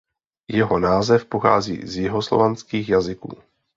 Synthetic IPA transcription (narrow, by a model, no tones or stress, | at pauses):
jɛɦonaːzɛfpoxa̰ːzḭːzjɪɦoslo̰vanskiːxjazɪkṵː